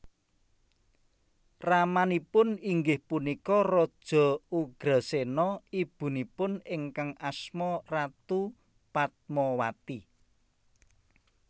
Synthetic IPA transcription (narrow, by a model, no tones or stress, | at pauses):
ramanipʊniŋɡɪhpunikɔrɔd̥ʒ̥ɔ̤uɡ̥ɾasenɔib̥ṳnipʊnɪŋkaŋasmɔrat̪u | pat̪̚mɔwat̪i